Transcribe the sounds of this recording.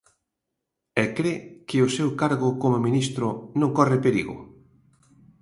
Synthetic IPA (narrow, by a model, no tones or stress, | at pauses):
ɛkɾekɪʊsewkaɾɣʊkomomĩnist̪ɾʊnõŋkɔrɪpeɾḭɣʊ̰